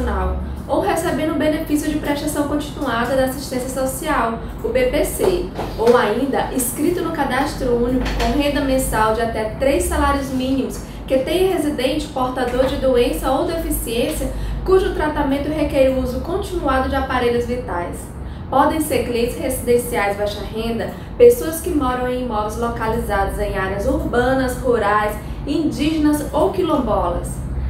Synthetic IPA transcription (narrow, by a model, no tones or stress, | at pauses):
naw | owɦesebẽd̪ʊ̃benefisjʊd͡ʒɪpɾɛʃasɐ̃w̃kõt͡ʃinuad̪ɐd̪ɐasiʃt̪ẽsjɐsosiaw | ʊbepeseowaĩnd̪ɐʔiskɾit̪ʊnʊkad̪ast̪ɾʊũnikʊkõɦẽnd̪ɐmẽsawd͡ʒɪat̪ɛt̪ɾejsːalaɾiʊzmĩnĩmʊs | ket̪ẽj̃hezid̪ẽnt͡ʃɪ̥poɾt̪ad̪oɾd͡ʒɪd̪oẽsɐowd̪efisiẽsiɐkuʒʊt̪ɾat̪amẽnt̪ʊɦekɛɾuuzʊkõnt͡ʃĩnuad̪ʊd͡ʒɪapaɾeʎɐzvit̪ajs | pɔd̪ẽj̃seɾkleshezid̪ẽsiajzbajʃɐɦẽnd̪ɐ | pesoɐskɪmɔɾɐ̃w̃ẽj̃mɔvɪzlokalizad̪ɐzẽj̃aɾeɐzuɾbɐ̃nɐshuɾajs | ĩd͡ʒiʒenɐzowkilõbɔlɐ̰s